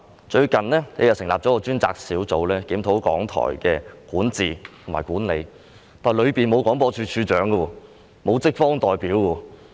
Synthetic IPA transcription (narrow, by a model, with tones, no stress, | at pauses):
t͡ʃɵ˧ɥkɐ˨nlɛː˥ne˨˧jɐ˨˩wsɪ˨˩ŋlaː˨p̚t͡sɔ˨˥kɔː˧t͡ʃyː˥nt͡sa̰ː˧k̚siː˨˥wt͡so˨˧wlɛː˥kiː˨˥mt̪ʰo˨˧˥wkɔ̰ː˨˥ŋt̪ʰɔ̰ː˨˩jkɛ̰ː˧kuː˨˥nt͡siː˨˩t̪ʰo˨˩ŋmaː˨˩jkuː˨˥nlḛ˨˧j | t̪ʰaː˨jlɵ˨˧ɥpiː˨˩nmo˨˧wkɔː˨˥ŋpɔː˧t͡ʃʰyː˧t͡ʃʰyː˧t͡ʃœː˨˥ŋɡɐ˧wɔː˧ | mo˨˧wt͡sɪ˥k̚fɔː˥ŋt̪ɔː˨jpiː˨˥wwɔː˧